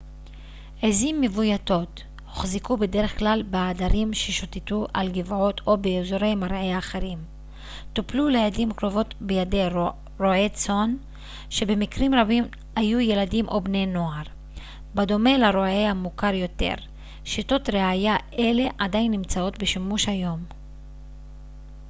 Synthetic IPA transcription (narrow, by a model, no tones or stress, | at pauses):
ezimːevujato̞t | hoχzikube̞de̞ʁeχklalbeadaɾimʃeʃotetuʔa̰lɡivʕot̪o̞beezoɾe̞jmaʁʕeaːχeʁim | t̪upluleʕedimkʁo̞vo̞tbejade̞ | ʁoet͡so̞n | ʃe̞be̞mikʁimʁabim | hajuje̞ladimʔo̞bne̞jno̞aʁ | bado̞me̞laɾoaeamukaɾjo̞te̞̰ʁ | ʃito̞tʁeajaʔe̞le̞ʔadajinːimt͡sao̞tbeʃimuʃhajo̞m